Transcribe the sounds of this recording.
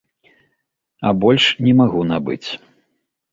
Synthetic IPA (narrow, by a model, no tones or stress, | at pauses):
ɐ̰bɔlʲʂnʲɛmaɣunabɨ̰t͡sʲ